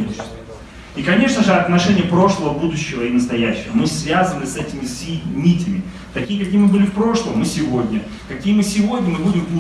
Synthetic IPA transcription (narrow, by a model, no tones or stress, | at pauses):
ikɐnʲe̞ʂnəʐɨɐt̪nɐʂɛnʲɪjəpɾo̞ʂlˠəvəbud̪ʊɕːɪvəinəst̪ɐjæɕːɪvəmɨsvʲazənɨsɛtʲɪmʲɪsʲimʲitʲɪmʲɪ | t̪ɐkʲijəkɐkʲijɪmɨbɨlʲɪfpɾo̞ʂlˠəmmɨsʲɪvodʲnʲə | kɐkʲijəmɨsʲɪvo̞dʲnʲəmɨbudʲɪmp